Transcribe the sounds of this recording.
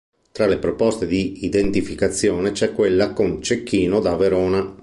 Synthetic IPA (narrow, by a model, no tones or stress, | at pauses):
t̪ɾalepɾopɔst̪ed̪iːd̪ent̪ifikat̪sːjɔːnet͡ʃɛkːwelːakont͡ʃekːiːnod̪aveɾɔːna